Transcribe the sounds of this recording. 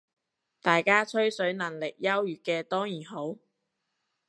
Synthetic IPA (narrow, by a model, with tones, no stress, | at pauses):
t̪aː˨jkaː˥t͡ʃʰɵ˥ɥsɵ˨˥ɥnɐ˨˩ŋlɪ˨k̚jɐ˥wjyː˨kɛː˧t̪ɔː˥ŋjiː˨˩nɦo˨˥w